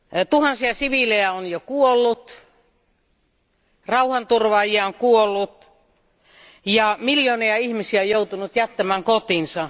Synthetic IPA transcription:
t̪uhɑnsiɑsiʋilejæonjokuolːut̪ | rɑuhɑnt̪urʋɑːjiɑoŋkuolːut̪ | jɑmiljoːniɑihmisiæojout̪unut̪jæt̪ːæmæːŋkot̪insɑ

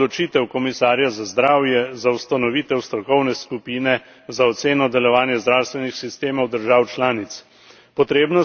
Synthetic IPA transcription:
lɔt͡ʃiːt̪ɛwkɔmisaːɾjazazd̪ɾaːwjɛzawst̪anɔʋiːt̪ɛwst̪ɾɔkɔwnɛskupiːnɛ | zaɔt̪seːnɔd̪ɛlɔʋaːnjɛzd̪ɾaːwst̪ʋɛnixsist̪eːmɔwd̪əɾʒaːwt͡ʃlaːnit̪s | pɔt̪ɾeːbnɔ

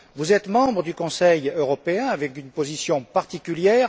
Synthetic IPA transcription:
vuzɛt̪mɑ̃bʁəd̪ykɔ̃sɛjøʁɔpeɛ̃avɛkynpozisjɔ̃paʁt̪ikʲyljɛʁ

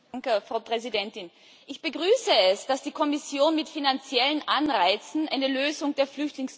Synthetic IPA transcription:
ŋkəfʁ̥aʊpʁ̥ɛzidɛntɪn | ʔɪçb̥əɡʁyːsəɛsd̥asd̥iːkʰɔmɪsjoːnmɪtfinant͡sjɛlənʔanʁaɪt͡sn̩ʔa̰ɪnəløːzʊŋd̥eːɐflʏçtlɪŋs

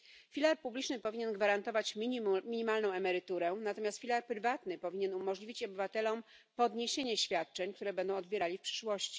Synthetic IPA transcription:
fʲilaɾpublʲit͡ʂnɘpɔvʲiɲɛnɡvaɾant̪ɔvat͡ɕmʲmʲiɲimalnɔ̃w̃ɛmɛɾɘt̪uɾɛnat̪ɔmʲjast̪fʲilaɾpɾɘvat̪nɘpɔvʲiɲenumɔʐlʲivʲit͡ɕɔbɘvat̪ɛlɔmpɔd̪ɲeɕeɲɛɕfʲjat̪̚t͡ʂɛɲk̚t̪uɾɛbɛnd̪ɔ̃w̃ɔd̪bʲjeɾalʲifpʂɘ̥ʂwɔɕt͡ɕi̥

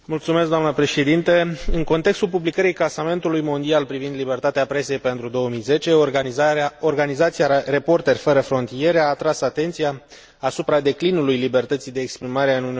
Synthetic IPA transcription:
mult̪sumeskd̪anəpɾe̞ʃe̞d̪int̪eɨŋko̞nt̪e̞kst̪ulpublikəɾijklasame̞nt̪ulujmo̞nd̪ialpɾivind̪libe̞rt̪at̪eapɾe̞se̞jpe̞nt̪ɾud̪o̞əmijze̞t͡ʃe̞ | orɡanizat̪sijare̞po̞rt̪e̞rʲfəɾəfɾo̞nt̪ije̞ɾeaːt̪ɾasat̪e̞nt̪sijaː | supɾad̪e̞klinulujlibe̞rt̪ət̪sijd̪e̞ːkspɾimaɾe̞ɨnuni

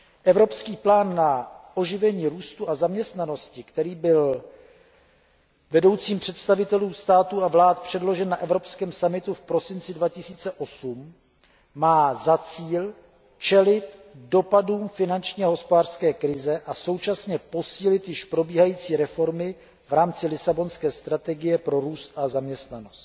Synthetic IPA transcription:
ʔɛvɾo̞pskiːplaːnːaʔo̞ʒɪvɛɲiːɾuːst̪uazamɲɛst̪nano̞scɪkt̪ɛɾiːbɪl | vɛdo̞wt͡siːmpr̝̥ɛt̪st̪avɪt̪ɛluːst̪aːt̪uavlaːt̪̚pr̝̥ɛdlo̞ʒɛnːaʔɛvɾo̞pskɛːmsamɪt̪ufpɾo̞sɪnt͡sɪdvacɪsiːt͡sɛʔo̞sumː | aːzat͡siːl | t͡ʃɛlɪt̪do̞paduːmfɪnant͡ʃɲiːaɦo̞spodaːr̥skɛːkɾɪzɛʔaso̞wt͡ʃasɲɛpo̞siːlɪt̪jɪʃpɾo̞biːɦajiːt͡siːɾɛfo̞ɾmɪ | vɾaːmt͡sɪlɪsabo̞nskɛːst̪ɾat̪ɛɡɪjɛpɾo̞ɾuːst̪ʔazamɲɛst̪nano̞st̪

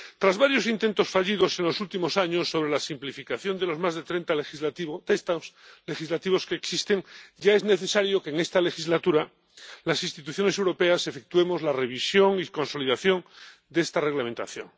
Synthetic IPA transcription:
t̪ɾazβaɾjo̞sint̪e̞nt̪o̞sfaʎiðo̞sẽ̞nlosult̪imo̞saɲo̞sːo̞βɾelasimplifikaθjo̞nd̪elo̞zmazðet̪ɾent̪alizaiβt̪est̪asle̞xizlat̪iβo̞skeːksist̪e̞ŋɟ͡ʝae̞zne̞θe̞saɾjo̞keːŋe̞st̪ale̞xizlat̪uɾa | lasinst̪it̪̬uθjone̞sewɾo̞pe̞ase̞fek̚t̪ue̞mo̞zlare̞β̞isjo̞ŋiko̞nso̞liðaθjo̞ŋd̪est̪are̞ɣlamẽnt̪a̰θjo̞̰ŋ

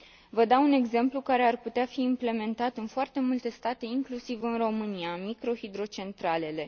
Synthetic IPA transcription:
vəd̪aune̞ɡze̞mplukaɾe̞arput̪eafiːmple̞me̞nt̪at̪ɨnfoart̪e̞mult̪e̞st̪at̪e̞iŋklusivɨnro̞mɨniamikɾo̞hid̪ɾo̞t͡ʃe̞nt̪ɾale̞le̞

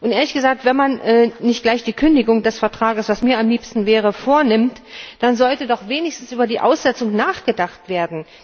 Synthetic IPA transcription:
ʔʊntʔeːɐlɪçɡ̥əzaːk̚tv̥ɛnmanʔɛnɪçt̚ɡ̥laɪçd̥iːkʰʏndɪɡʊŋdɛsfɛɐtʁ̥aːɡəsv̥asmiːɐamliːpstn̩vɛːʁ̞əfoːɐnɪmtd̥anzɔltədɔχv̥eːnɪçstn̩sʔyːbɐdiːʔa̰ʊsz̥ɛt͡sʊŋnaːχɡ̥ədaχtv̥eːɐdn̩

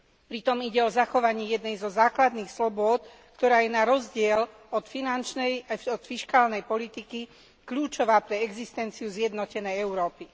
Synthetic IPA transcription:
pɾit̪ɔmiɟɛɔzaxɔʋaɲɪɛjɛd̪nɛjzɔzaːklad̪niːxslɔbʊɔt̪ | kt̪ɔɾaːjɛnaɾɔzɟɪɛl | ɔt̪finant͡ʃnɛjɔt̪fiʃkaːlnɛjpɔlit̪iki | kʎuːt͡ʃɔʋaːpɾɛɛɡzist̪ɛnt͡siuzjɛd̪nɔcɛnɛjɛʊɾɔːpi

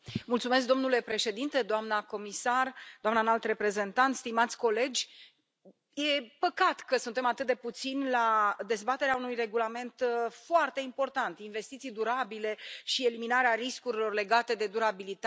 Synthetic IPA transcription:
mult̪sumesk̚d̪omnule̞pɾe̞ʃe̞d̪int̪e̞d̪oamnəko̞misard̪oamnanalt̪re̞pɾe̞ze̞nt̪ant̪st̪imat̪sʲko̞le̞d͡ʒʲ | je̞pəkat̪kəsunt̪e̞mat̪ɨt̪̚d̪e̞put̪sinlad̪e̞zbat̪e̞ɾeaunujre̞ɡulame̞nt̪foart̪e̞impo̞rt̪ant̪inve̞st̪it̪sijd̪uɾabile̞ʃie̞liminaɾeaɾiskuɾilo̞rle̞ɡat̪e̞d̪e̞d̪uɾabilit̪a

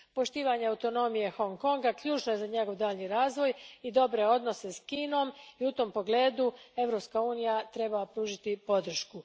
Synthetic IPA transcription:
po̞ʃt̪iːʋaɲeawt̪o̞no̞mije̞xo̞ŋko̞ŋɡakʎuːt͡ʃnoje̞zaɲe̞ɡo̞ʋd̪aːʎniɾaːzʋo̞jid̪o̞bɾe̞o̞d̪no̞se̞skiːno̞miut̪o̞ːmpo̞ɡle̞ːd̪ue̞ʋɾo̞pskauːnijat̪ɾe̞bapɾuːʒit̪ipo̞d̪r̩ʃku

